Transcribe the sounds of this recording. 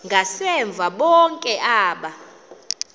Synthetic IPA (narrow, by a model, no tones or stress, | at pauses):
ŋɡʱasɛɱb̪vʱaɓɔŋkʼɛʔaːɓa